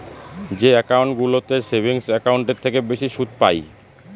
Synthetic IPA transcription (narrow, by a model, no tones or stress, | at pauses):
d͡ʑeɛkawɳʈɡulot̪eɾsebʱiŋsɛkawɳʈeɾt̪ʰekebeʃiʃud̪̚pa̰j